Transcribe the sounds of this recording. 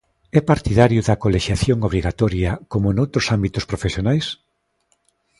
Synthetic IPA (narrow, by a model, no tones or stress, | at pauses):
ɛpaɾt̪iðaɾjʊðɐkoleʃjaθjoŋoβ̞ɾiɣat̪ɔɾjɐkomʊnowt̪ɾʊsambit̪ʊspɾofesjonajs